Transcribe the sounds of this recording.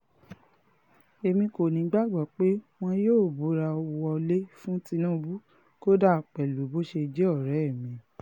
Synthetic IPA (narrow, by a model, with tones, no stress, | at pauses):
e˧mĩ˧ko˨nĩ˨˦ɡ͡ba˦˨ɡ͡ba˨k͡pe˦w̃ɔ̃˧joː˦˨bu˨˦ɾa˧ɔ˧wɔ˧le˦fũ˦ti˧nũ˦˧bu˦ | ko˦da˦˨k͡pɛ˨lu˨˦bo˦ʃe˧d͡ʒe˦ɔ˦˨ɾɛ˨˦˨mĩ˨˧